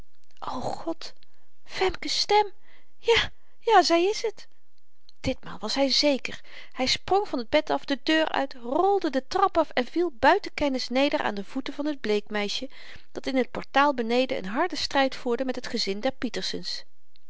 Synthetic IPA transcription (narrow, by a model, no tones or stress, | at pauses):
ʔowχɔt | fɛmkəstɛm | jaː | jaːzɛjɪsɦət | d̥ɪtma̰ːlˠʋɑsɦɛjzejkəɹ | hɛjsproŋvɑnəd̚bɛtɑfdədøːɹœ̰ɥtrɔlˠdədətrɑpɑfɛnvilˠbœɥtəkɛnɪsnejdəɹʔa̰ːndəv̥utəvɑnɦəd̚blejkmɛjʃə | d̥ɑtɪnɦət̚pɔɹtaːlˠbənejdəʔə̰nɦɑɹdəstrɛjtfuːɹdəmɛtɦətχəzɪndɛɹpitəɹsəns